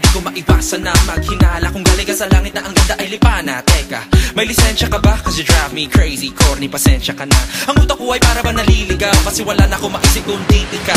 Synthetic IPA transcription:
d̪ikomɐʔɪwasɐnɐmɐɡ̚hɪnaːlɐkʊŋɡɐlɛkɐsɐlaːŋɪt̪nɐʔɐŋɡɐnd̪aʔɐjlɪpaːnɐ̰t̪ɛkɐ̰mɐjlɪsɛnʃɐkɐbakɐsɛd̪ɹamikɹejsikoɾnipɐsɛnʃɐkɐnɐ̰ʔɐŋuːt̪ɐkoʔɐjpaːɾɐmɐnɐliːlɪɡawmɐsɛwɐlanɐko̞mɐʔɪsɪk̪ʊnd̪it̪ɪka

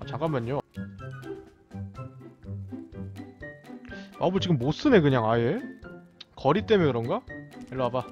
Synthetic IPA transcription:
at͡ɕaɡamːaɲo | wamut͡ɕiɡɯmːos͈ʰɯme̞kɯɲaŋaje | kʌɾit͈emenkɯɾʌnŋɡaeɭːaaba

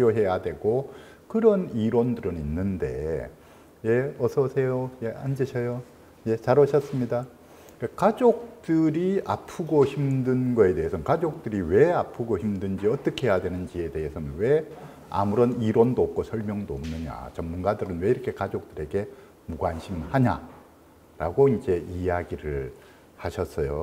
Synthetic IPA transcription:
joɦe̞jadwe̞ɡo | kɯɾʌniɾwondɯɾɯninːɯnde̞̰ | je̞ʌsʰʌsʰe̞jojeand͡ʑɯɕʰʌjo | je̞t͡ɕaɾʌɕʰʌs͈ɯmɲida | kekad͡ʑok̚t͈ɯɾia̰pʰɯɡoçimdɯnɡʌe̞de̞ɦesʰʌnkad͡ʑok̚t͈ɯɾiwe̞apʰɯɡoçimdɯnd͡ʑiʌt͈ʌkʰe̞jadwe̞nɯnd͡ʑie̞de̞ɦesʰʌnɯnwe̞ | a̰muɾʌniɾwʌndop̚k͈osʰʌɭmjʌŋdooːmnɯɲa̰t͡ɕʌmːunɡadɯɾɯnwe̞iɾʌkʰe̞kad͡ʑok̚tɯɾe̞ɡe̞ | muɡwanɕʰimhaɲa̰ | ɾa̰ɡoind͡ʑe̞ijaɡiɾɯɭ | haɕʰʌs͈ʌjo

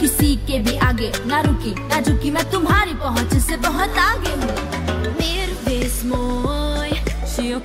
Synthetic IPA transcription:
kisikebʱiʔaːɡenaɾukijad͡ʒukimɛ̃t̪ʊmɦaːɾipəɦʊ̃t͡ʃsebəɦʊt̪aːɡeɦũ | meːɾbesmoj

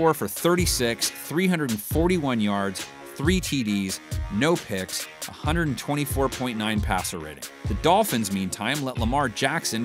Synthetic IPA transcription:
ɔɹfə˞θɜ˞ɾisɪksθɹiɦʌ̃ndɹɨɾ̃n̩fɔɹɾiwʌ̃njɑɹdz̥ | θɹitʰidiznoʊpʰɪksʔəhʌ̃ndɹəɾn̩tʰw̥ɛ̃ɾ̃ifɔɹpʰɔ̃ɪ̃nnːãɪ̃npʰæsə˞ɹɪ̰ɾɪ̰̃ŋðɨdɔlˠfɨ̃nzmĩntʰãɪ̃mlɛʔˡləmɑɹd͡ʒæksɨ̃n

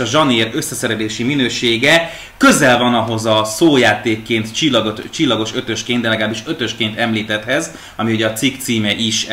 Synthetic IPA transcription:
ɒʒɒneːɾø̞sːɛsɛɾɛleːʃiminøːʃeːɡɛ | kø̞zɛlvɒnɒɦo̞zɒsoːjaːt̪eːkːeːnt̪t͡ʃilːɒɡot̪t͡ʃilːɒɡo̞ʃø̞t̪ø̞ʃkeːnd̪ɛlɛɡalaːbiʃø̞t̪ø̞ʃkeːnt̪ɛmliːt̪ɛt̪hɛz | ɒmiuɟɛːt̪sikt̪siːmɛʔiʃ

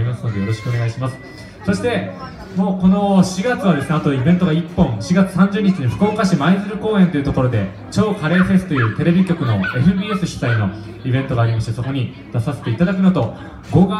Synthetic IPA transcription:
imasɨno̞d̪e̞jo̞ɾo̞ɕi̥kɯo̞ne̞ɡaiɕimasɨ̥ | so̞ɕi̥t̪e̞ | mo̞ːko̞no̞ɕiɡat͡sɨβad̪e̞sɨne̞at̪o̞ibẽnt̪o̞ɡaipːõŋ̃ɕiɡat͡sɨ̥sãɲ̟d͡ʑɨːɲ̟it͡ɕiɲiɸɯ̟̥ko̞ːkaɕimaizɨɾɯ̟ko̞ːẽ̞nt̪oiɯ̟t̪o̞ko̞ɾod̪e̞ | t͡ɕo̞ːkaɾe̞ːɸe̞sɨ̥t̪o̞jɯ̟ːt̪e̞ɾe̞bʲikʲo̞kɯ̟no̞e̞ɸɯ̟bʲiːe̞sɨɕi̥t̪aino̞ | ibẽ̞nt̪o̞ɡaːɾʲimaɕit̪esoko̞ɲ̟i | d̪̥asase̞t̪e̞it̪ad̪akɯ̟not̪o̞ | ɡoɡ

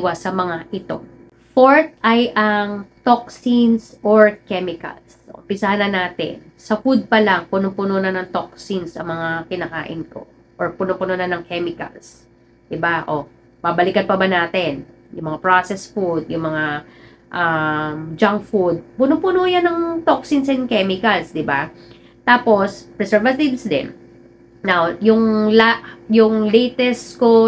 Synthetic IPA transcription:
wɐsɐmɐŋaʔɪt̪o̞̰ | foɹt̪̚ʔɐjʔɐŋt̪oksinsoɹkɛmɪkɐ̰lsɐʔʊ̰mpɪsɐhanɐnaːt̪ɪ̰nsɐfud̪̚pɐlaŋpʊnʊpʊnonɐnɐŋt̪oksinsʔɐ̰ŋmɐŋakɪnɐka̰ːʔɪ̰nko̞̰ | ʔoɹpʊnopʊnonanɐŋkʰɛmɪkɐ̰ls | d̪̥ɪbaʔo | babɐlɪkɐn̚pɐbɐnaːt̪ɛn | jʊŋmɐŋapɹosɛsfud̪̚jʊŋmɐŋa | ʔamd͡ʒaŋkfud̪̚pʊnopʊnojanɐŋt̪oksɪnsɛnkɛmɪkɐlsd̪ɪba | t̪aːpo̞spɹɛsɛɹvɐt̪ivsd̪ɛ̰n | nawjʊŋlaʔjʊŋlɛjt̪ɛst̪ko

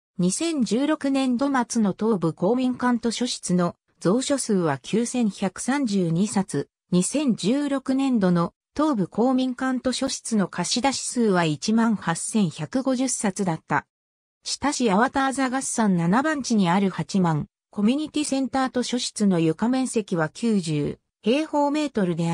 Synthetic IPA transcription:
ɲ̟isẽ̞ɲ̟d͡ʑɨːɾo̞kɯ̟nẽ̞nd̪o̞mat͡sɨno̞t̪o̞ːbɯ̟ko̞ːmʲĩŋkãnt̪o̞ɕo̞ɕi̥t͡sɨno̞ | d͡zo̞ːɕo̞sɨːβakʲʰɨːsẽ̞ɰ̃çʲakɯ̟̥sãɲ̟d͡ʑɨːɲ̟isat͡sɨ | ɲ̟isẽ̞ɲ̟d͡ʑɨːɾo̞kɯ̟nẽ̞nd̪o̞no̞ | t̪o̞ːbɯ̟ko̞ːmʲĩŋkãnt̪o̞ɕo̞ɕi̥t͡sɨno̞kʰaɕid̪aɕi̥sɨːβait͡ɕimãɰ̃hasːẽ̞ɰ̃çʲakɯ̟ɡo̞ʑɨsːat͡sɨd̪at̪ːa̰ | t͡ɕi̥t̪aɕiaβat̪aːzaɡasːãnnanabãɲ̟t͡ɕiɲ̟iaɾɯ̟hat͡ɕimãŋ | ko̞mʲiɲ̟it̪ʲisẽ̞nt̪aːt̪o̞ɕo̞ɕi̥t͡sɨno̞jɯ̟kamẽ̞ɰ̃se̞kʲiβakʲʰɨːʑɨ̰ː | he̞ːho̞ːme̞ːt̪o̞ɾɯ̟d̪e̞a

